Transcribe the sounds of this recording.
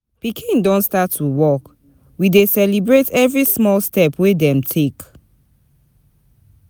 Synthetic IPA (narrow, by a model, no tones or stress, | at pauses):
pikʰĩndɔ̃ntstatʰːuwɔk | widesɛlibɹetʰɛvɹismɔlstɛpʰwedɛ̃mtʰek